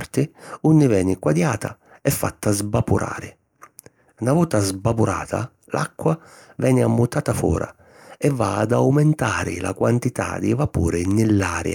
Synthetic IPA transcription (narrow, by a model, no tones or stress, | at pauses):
rt̪ɪunːɪvɛːnɪkwad̪jaːt̪a | ɛfːa̰t̪ːazbapuɾʔa̰ːɾɪ | navɔːt̪azbapuɾaːt̪ʰa̰ | lʔa̰kːwa | vɛːnɪamːut̪aːt̪afɔ̰ːɾa̰ | ɛvːa̰ːd̪awmɛnt̪aːɾɪ̰la̰kwant̪it̪a̰d̪ivapṵːɾɪnɪlːaːɾj̰a